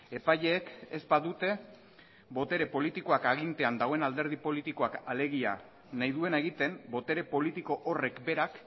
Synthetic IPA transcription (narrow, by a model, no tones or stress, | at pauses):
e̞pajʎe̞ːkezbaðut̪e̞ | bo̞t̪e̞ɾe̞po̞lit̪iko̞akaɣ̞int̪e̞and̪aɣo̞enald̪e̞ɾð̞ipo̞lit̪iko̞akale̞ɣia̰ | najðue̞naeɣit̪e̞mbo̞t̪e̞ɾe̞po̞lit̪iko̞ʔore̞kbe̞ɾak